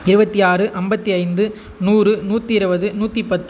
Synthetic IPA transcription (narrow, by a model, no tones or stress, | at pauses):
ɪɾɯbɐt̪ːiaːrɯʔɐmbɐt̪ːiɐɪnd̪ɯ | nuːrɯnuːt̪ːiɪɾɯbɐðɯnuːt̪ːipɐt̪ː